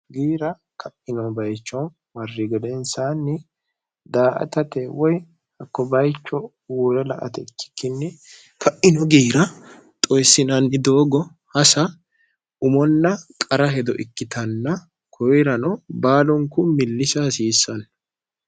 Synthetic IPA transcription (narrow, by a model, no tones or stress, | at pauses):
ɡiːɾɐ | kɐʔɪnɔbɐjt͡ʃːɔn | mɐrːɪɡɛd̪ɛnsaːnːɪ | d̪aːʔɐ̰t̪ɐt̪ɛwɔj | hɐkːɔbɐjt͡ʃːɔ | wuɾɛlɐ̰ʔɐ̰t̪ɛɪkːɪ̥kːɪnːɪ | kʰɐʔɪnɔɡiːɾɐ | t̪ʼɔjsːɪnɐnːɪd̪oːɡɔ | hɐsɐ | ʊmɔnːɐkʼɐɾɐɦɛd̪ɔʔɪkːɪt̪ɐnːɐ | kʰɔwɾɐnɔbaːlɔŋkʊmɪlːɪʃasiːsːɐnː